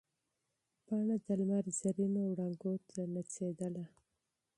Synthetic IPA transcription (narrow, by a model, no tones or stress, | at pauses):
pɑɳad̪almaɾzaɾinowɽaŋɡoɾt̪ʰanat͡sed̪əla